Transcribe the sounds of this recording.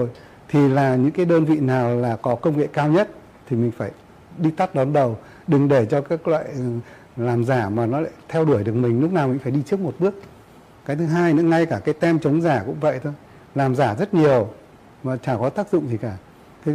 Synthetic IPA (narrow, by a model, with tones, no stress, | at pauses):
o˧˩j | t̪ʰi˨˩laː˨˩ɲɨ̰˧˥ŋkaː˨˦jɗəː˧nvḭ˧˨naː˨˩wlaː˨˩kɔ˨˦kə˧wŋ͡mŋḛ˧˨kaː˧wɲə˦˥t̚ | t̪ʰi˨˩mï˨˩ŋ̟faː˧˩j | ɗi˧t̪a˦˥t̚ɗɔ˨˦nɗə˨˩w | ɗɨ˨˩ŋɗe˧˩t͡ɕɔ˧kaː˦˥klwa̰ː˧˨j | laː˨˩mzaː˧˩maː˨˩nɔ˨˦la̰ː˧˨˩t̪ʰɛ˧wɗu˧˩əjɗɨ˨˩ək̚mï˨˩ŋ̟lʊ˦˥k͡p̚naː˨˩wmï˨˩ŋ̟faː˧˩ɗi˧t͡ɕɨ˦˥ək̚mo˨˩t̚ɓɨ˦˥ək̚ | kaː˨˦jt̪ʰɨ˨˦ɦaː˧jnɨ̰˧˥ŋa˧jkaː˧˩kaː˨˦jt̪ɛ˧mt͡ɕə˨˦wŋ͡mzaː˧˩kʊ̰˧˥ŋ͡mvə̰˧˨jt̪ʰo˧j | laː˨˩mzaː˧˩zə˦˥t̚ɲi˨˩əw | maː˨˩t͡ɕaː˧˩kɔ˨˦t̪aː˦˥k̚zʊ̰˧˨ŋ͡mzi˨˩kaː˧˩ | t̪ʰi˨˦